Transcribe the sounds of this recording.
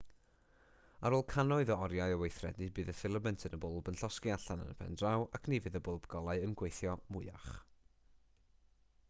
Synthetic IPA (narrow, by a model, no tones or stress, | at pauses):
aɾoːlˠkʰanɔɨðɔɔɾjaɨəwejθrɛ̰dnibɨːðəfɪlˠəmɛntʰənəbʊlˠbənɬɔskiaɬanə̰nəpʰɛ̰ndrawʔakʰnivɨðəbʊlˠbɡ̥ɔlˠaɨənɡwejθjɔmʊɨa̰χ